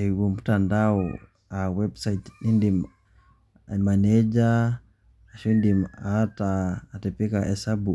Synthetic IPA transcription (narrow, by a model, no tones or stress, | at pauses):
ɛwum̩tandaɔ | awɛbsaitnindim | manɛd͡ʒaː | ʃundimataːtɛpɛkaʔɛsabu